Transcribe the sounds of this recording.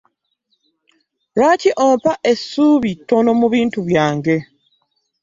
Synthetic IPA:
ɾaciʔoːmpaʔesːuːβitːo̞no̞muβiːntuβjaːŋɡe̞

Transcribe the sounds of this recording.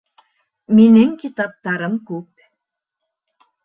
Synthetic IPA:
minɘŋkit̪ɑp̚t̪ɑɾɤmkʉp̚

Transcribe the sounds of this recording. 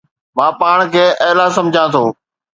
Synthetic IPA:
mãːpaːɽ̃kʰeːʔɐɦlasɐ̃md͡ʑʱãːt̪ʰoː

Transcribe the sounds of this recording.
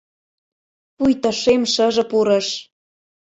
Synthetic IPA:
pujt̪ɤ̆ʃemʃə̆ʒɤ̆puɾɤ̆ʃ

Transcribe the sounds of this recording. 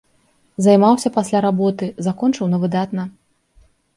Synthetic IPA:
zajmawsʲɐpasʲlʲaɾabɔt̪ɨzakɔnt͡ʂɨwnɐvɨd̪at̪nɐ

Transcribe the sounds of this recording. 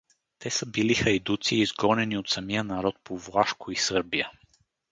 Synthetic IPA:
t̪ɛsəbilixɐjd̪ut̪siːzɡɔnɛniot̪sɐmijənɐɾɔt̪̚pʰovlˠaʃkʊisɤɾbijə

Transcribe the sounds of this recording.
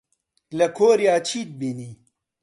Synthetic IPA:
lɐkʰoːɾjaːt͡ɕʰiːt̪̚bini

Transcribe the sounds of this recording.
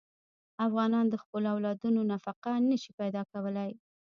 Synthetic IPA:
afɣɑnɑnd̪əxpəloawlɑd̪unonafaqanəʃi̥pajd̪ɑkawəlaj

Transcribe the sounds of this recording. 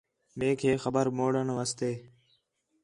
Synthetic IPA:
mẽːkʰeːxəbəɾmoːɽəɳʋaːst̪eː

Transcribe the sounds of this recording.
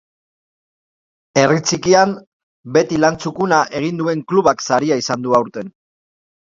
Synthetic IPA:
e̞rit͡sikiam | be̞t̪ilant͡sukunaʔe̞ɣ̞ind̪ue̞ŋkluβaksaɾiaisand̪uawɾt̪e̞n

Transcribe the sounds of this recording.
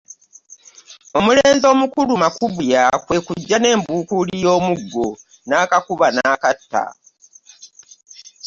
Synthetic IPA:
o̞muleːnzo̞ːmukulumakuβujakwe̞kuɟːane̞ːmbuːkulijo̞ːmuɡːo̞ | naːkakuβanaːkatːa̰

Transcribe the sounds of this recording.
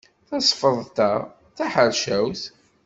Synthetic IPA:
θɑsˤfəðˤt̪æ | θæħəɾʃæwθ

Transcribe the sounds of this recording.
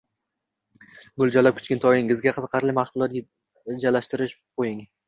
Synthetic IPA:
ɡʊlˠd͡ʒalap̚kʰʊ̥t͡ʃkʲɪnt̪ʰɒjɪŋɪzɡʲaqʰɨzqʰɑɾlɪmahʃʊlˠɒt̪ | d͡ʒalːaʃt̪ɪɾɪʃqʰojɪŋ

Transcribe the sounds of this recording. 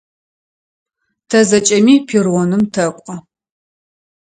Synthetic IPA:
tʰɐzɐt͡ʃʼɐmiːpʰirʁɔnɨmtʰɐkʷʼɐ

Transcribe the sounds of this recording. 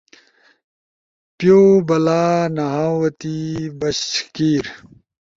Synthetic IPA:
pjoːbɐlaːnɐɦaːwɐt̪ibɐɕkiːɾ

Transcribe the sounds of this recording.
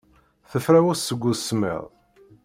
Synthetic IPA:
θəfɾæwʊsəɡʷːʊsmɛ̰ðˤ

